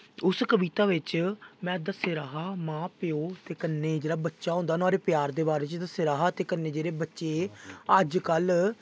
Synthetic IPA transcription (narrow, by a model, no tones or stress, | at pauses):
ʊskəbiːt̪aːʋɪt͡ʃmɛ̃ːd̪əseɾaːɦaːmãːpɪoːt̪eːkənːeːd͡ʒeːɽaːbətːʃaːɦõːnd̪aːnaːɾeːpɪjaːɾd̪eːbaːɾeːt͡ʃd̪əseɾaːɦaːt̪eːkənːeːd͡ʒeːɾeːbətːʃeːəd͡ʒkəl